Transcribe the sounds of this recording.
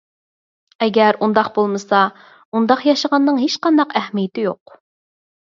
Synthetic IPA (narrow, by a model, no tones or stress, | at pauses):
ɛɡʲɛɾund̪ɑqbolˠmɨsɑ | und̪ɑqjɑʃəʁɑnːɨŋɦeʃqɑnd̪ɑqæhmijɪt̪ʰɪjoq̚